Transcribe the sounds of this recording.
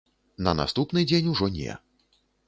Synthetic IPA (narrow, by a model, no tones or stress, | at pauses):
nɐna̰st̪upnɨd͡zʲenʲuʐɔnʲɛ̰